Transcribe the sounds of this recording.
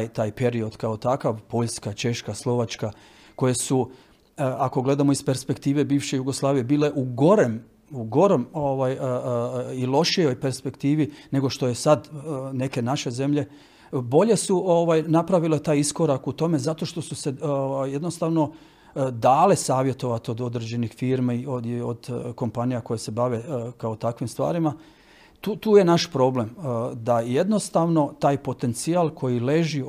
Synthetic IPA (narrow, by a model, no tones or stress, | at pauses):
jt̪aːjpe̞ɾio̞d̪kao̞t̪akaʋpo̞ʎskat͡ʃe̞ʃkaslˠo̞ʋat͡ʃka | ko̞je̞su | ako̞ɡle̞d̪amo̞ispe̞ɾspe̞kt̪iːʋe̞biːʋʃejuɡoslˠaːʋije̞biːle̞ʔuɡo̞ɾem | uɡo̞ɾemoʋaj | ilˠo̞ʃijo̞jpe̞ɾspe̞kt̪iːʋine̞ɡo̞ʃt̪o̞je̞sad̪ne̞ke̞naʃe̞ze̞mʎe̞ | bo̞ʎe̞suʔoʋajnapɾaʋilet̪aːjisko̞ɾakut̪o̞me̞zat̪o̞ʃt̪o̞suse̞oajje̞d̪nost̪aʋno̞ | d̪aːlesaːʋje̞t̪o̞ʋat̪o̞d̪o̞d̪ɾed͡ʑe̞nixfiːɾmaioio̰d̪ko̞mpanijako̞jese̞baʋe̞kaot̪akʋimst̪ʋa̰ːɾima | t̪uːt̪uːje̞naʃpɾo̞ble̞md̪aje̞d̪no̞st̪aʋno̞t̪aːjpo̞t̪e̞nt̪sialˠkʰo̞jile̞ʒi